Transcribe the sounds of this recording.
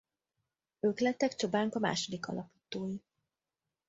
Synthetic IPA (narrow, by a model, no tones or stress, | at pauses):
øːklɛt̪ːɛkt͡ʃo̞baːŋkɒma̰ːʃo̞d̪ikɒ̰lɒpi̥ːt̪oːji